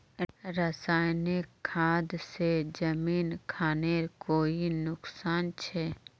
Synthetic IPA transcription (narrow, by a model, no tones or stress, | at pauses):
ɾəsaːjnɪkʰːaːd̪sed͡ʒəmiːnkʰaːneɾkoːinʊksaːnt͡ʃʰɛ